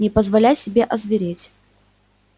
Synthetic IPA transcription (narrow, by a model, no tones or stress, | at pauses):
nʲɪpəzvɐlʲæsʲɪbʲeʔɐzvʲɪɾʲetʲ